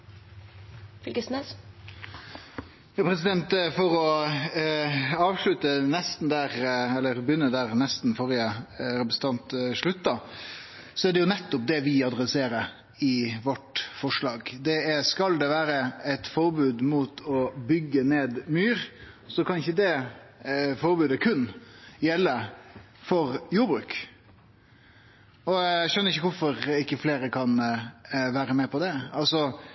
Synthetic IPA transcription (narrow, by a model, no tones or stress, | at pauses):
fɪlkəsnɛs | jɑpʰɾɛsɪd̪ɛnt̪fɔɾɔ | ɑːʋʂɭʉt̪ənɛst̪n̩d̪æːɾɛlːəɾbjʏnːəd̪æːɾnɛst̪n̩fɔɾɪəɾɛpɾəsn̩ɑnt̪ʂɭʉt̪ːɑ | sɔæɖɛjʊnɛt̪ːʊp̚d̪ɛʋɪɑd̪ɾɛseːɾəɾ | ɪʋɔʈfɔʂɭɑːɡd̪ɛæskɑld̪ɛʋæːɾəɛt̪fɔɾbʉːd̪muːt̪ʰɔbʏɡːəneːd̪myːɾ | sɔkʰɑnɪçəd̪ɛ | fɔɾbʉːd̪əkʰʉnjɛlːə | fɔɾjuːɾbɾʉ̰ːk | ɔæʃœnːɾɪçəkʊɾfɔɾɪkːəfleːɾəkʰɑn | ʋæːɾəmɛpʰɔd̪ɛɑlsɔ